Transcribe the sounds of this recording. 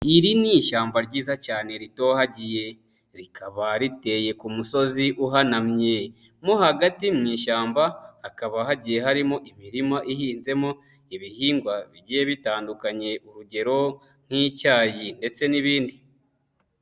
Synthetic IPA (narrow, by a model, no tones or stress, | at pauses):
iɾiniːʃaːmbaɾɟiːzacaːne̞ɾito̞ːhaɟije̞ | ɾikʰaβaɾite̞je̞kumuso̞ziʔuɦanamɲe̞ | mohaɡatimŋiːʃaːmbaːkaβaɦaɟije̞ɦaɾimoʔimiɾimaʔihiːnze̞mo | iβihiːŋɡwaβiɟije̞βitaːndukaɲe̞uɾuɟe̞ɾo̞ | n̥hicaːjinde̞t͡se̞niβiːndi